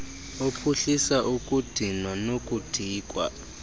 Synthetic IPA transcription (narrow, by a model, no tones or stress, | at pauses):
opʰuɬisaʔukʼud̥ʱinwanokʼud̥ʱiːkʼwa̰